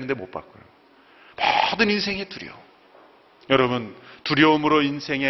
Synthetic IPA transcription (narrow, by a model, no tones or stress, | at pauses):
nɯnde̞mop͈a̰k͈ojo | mʌdɯninsʰe̞ŋe̞tuɾjʌ̰ | jʌɾʌbuntuɾjʌumɯɾoinsʰe̞ŋe